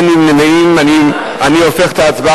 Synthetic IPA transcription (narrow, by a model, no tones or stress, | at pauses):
nimnemeimani | aniofeχet̪aːt͡sba